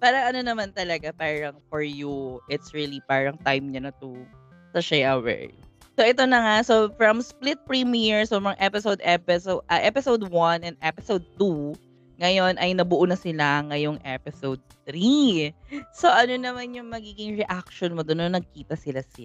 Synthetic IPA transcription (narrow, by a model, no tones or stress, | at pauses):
paːɾɐŋɐnonɐmant̪ɐlɐɡapaːɹɐŋfɔɹjuʔɪt̪sɹilipaːɹɐŋt̪ajmɲɐnɐt̪u | sɐʃɛjʔɐwɛ̰ɹ | soʔɛt̪o̞nɐŋasofɹɐmsplɪt̪̚pɹimiɹsobɹɐŋʔɛpɪsowd̪ɛpɛsoʔɐʔɛpɪsowd̪̚wɐnɛnd̪ʔɛpɪsowd̪̚t̪u | ŋɐjo̞nʔɐjnɐbʊʔunɐsɪlaŋɐjoŋʔɛpɪsowd̪̚t̪ɾi | so̞ʔɐnonɐmanjʊŋmɐɡiːɡɪŋɹɛʔak̚ʃonmod̪ononɐɡ̚kiːt̪ɐsɪlasɪ